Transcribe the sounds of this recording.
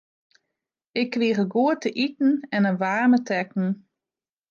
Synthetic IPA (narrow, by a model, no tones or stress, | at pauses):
ɪkːʋiəɣəɡuətəʔitn̩ɛnənʋaːrmətʰɛkn̩